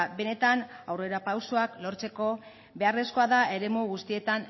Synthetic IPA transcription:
be̞ne̞t̪anawre̞ɾapawsoaklo̞ɾt͡se̞ko̞ | be̞are̞sko̞aðae̞ɾe̞muɣust̪ie̞t̪an

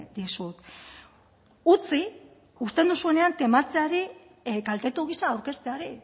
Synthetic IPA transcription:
d̪isut̪ | ut͡si | ust̪e̞nd̪usue̞ne̞ant̪e̞mat͡seaɾi | kalt̪et̪uɣ̞isaːwɾke̞st̪eaɾi

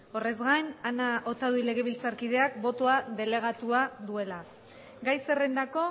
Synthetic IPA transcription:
o̞re̞zɣajnanaʔo̞t̪aðuile̞ɣ̞e̞β̞ilt͡saɾkið̞e̞akbo̞t̪o̞aðe̞le̞ɣ̞at̪uaðue̞la | ɡajse̞re̞nd̪ako̞

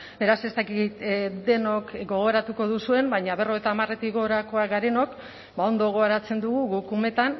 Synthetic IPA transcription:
be̞ɾase̞st̪akit̪d̪e̞no̞kɡo̞ɣ̞o̞ɾat̪uko̞ðusue̞mbaɲaβ̞e̞ro̞et̪aːmare̞t̪iɣo̞ɾako̞aɡaɾe̞no̞k | bao̞nd̪o̞ɣ̞o̞aɾat͡se̞nd̪uɣ̞uɣukume̞t̪an

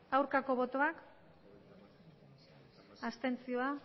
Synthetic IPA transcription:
awɾkako̞βo̞t̪o̞ak | ast̪e̞nt͡sio̞a

